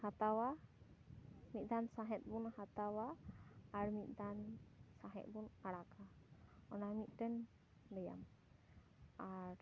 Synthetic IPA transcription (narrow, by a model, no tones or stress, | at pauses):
hat̪awa | mit̪̚ˀd̪ansaɦɛt̪̚bunhat̪awaː | ɾmit̪̚ˀd̪ansaɦɛ̰t̪̚bunaɽakʰaɔnamit̪̚ˀʈɛn | bɛja̰m | aɾ